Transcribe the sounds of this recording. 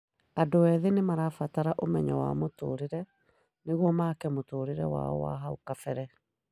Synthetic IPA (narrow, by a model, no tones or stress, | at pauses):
adowɛːðenemaɾafataɾaʔomɛɲawa̰moto̰ːɾeɾɛ | neɣwɔmaːkɛmotoɾeɾɛwa̰ɔ̰wa̰ɦaokafɛɾɛ